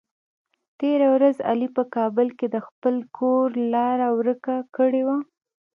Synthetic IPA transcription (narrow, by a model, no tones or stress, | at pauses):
t̪eɾawɾaza̰lipəkɑbəlked̪əxpəlkʰoɾlɑɾawɾəkakəɽewa